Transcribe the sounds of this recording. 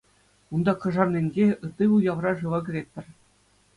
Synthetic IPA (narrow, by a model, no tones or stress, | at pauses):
und̪ɑkɤ̆ʐɑrnʲenʲɡʲeɯ̆t̪ːɯʋujɑʋrɑʐɯʋɑɡʲɘ̆ɾʲet̪̚ʲp̪ʲːɘ̆rʲ